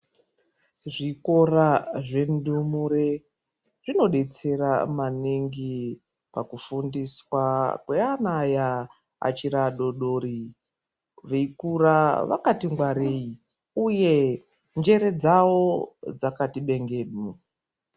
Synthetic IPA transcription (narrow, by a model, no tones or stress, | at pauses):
ʐiko̞raʐendumuɾe | ʐino̞ɗe̞t͡se̞ɾamaniŋɡi | pakufundiswakweanaja | a̰t͡ʃiɾaɗo̞ɗo̞ːɾi | ʋeikuraʋa̰katiŋɡwaɾei | uje̞ | nd͡ʒe̞ɾe̞d͡zawo̞d͡zakatiɓe̞ŋɡe̞ːɗo